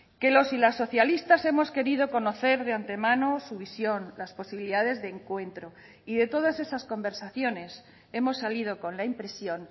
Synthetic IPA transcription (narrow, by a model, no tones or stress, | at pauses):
ke̞lo̞silasːo̞θjalist̪ase̞mo̞ske̞ɾið̞o̞ko̞no̞θe̞ɾðeant̪e̞mãnosuβ̞isjo̞nlaspo̞siβiliðaðe̞zðeːŋkwe̞nt̪ɾo̞ | iðe̞t̪o̞ð̞ase̞sasko̞mbe̞ɾsaθjo̞ne̞s | e̞mo̞sːalið̞o̞ko̞nlaimpɾe̞sjo̞n